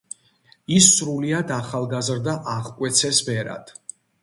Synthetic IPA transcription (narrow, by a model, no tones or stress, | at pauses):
isːɾuliad̪aχalˠɡazɾd̪aʔaʁkʼwɛt̪sʰɛsbɛɾa̰d̪̥